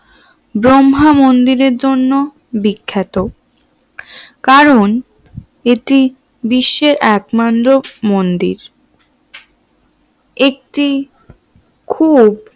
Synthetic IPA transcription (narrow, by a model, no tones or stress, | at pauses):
bɾomɦamond̪iɾeɾd͡ʑonːo | bikʰːet̪o | kaɾon | eʈi | biʃːeɾɛkmand̪ɾomond̪ḭɾ | ek̚ʈi | kʰub